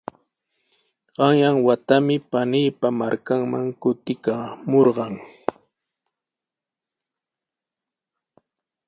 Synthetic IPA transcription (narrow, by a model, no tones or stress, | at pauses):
ɢ̥ɑŋjaŋwat̪amɪpanɪjpamaɾkaŋmaŋkʊt̪ɪkamoɾɢɑŋ